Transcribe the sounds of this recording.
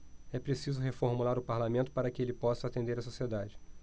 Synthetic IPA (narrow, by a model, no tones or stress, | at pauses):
ɛpɾesizʊɦefoɾmulaɾʊpaɾlamẽnt̪ʊ̥paɾɐkɪelɪpɔsɐːt̪ẽnd̪eɾɐsosied̪ad͡ʒɪ